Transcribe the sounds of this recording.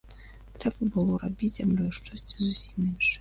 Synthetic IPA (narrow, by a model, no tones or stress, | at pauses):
t̪ɾɛbɐbɨlˠɔɾabʲizʲamlʲɔjʂt͡ʂɔsʲt͡sʲizusʲimɛnʂɛ